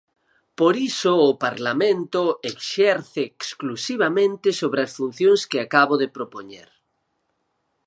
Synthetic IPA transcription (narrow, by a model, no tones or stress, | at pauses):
poɾisʊːpaɾlamẽnt̪ʊekʃɛɾθeːksklusiβ̞amẽnt̪ɪsoβɾeasfun̟θjõŋskɪakaβoðɪpɾopoɲḛɾ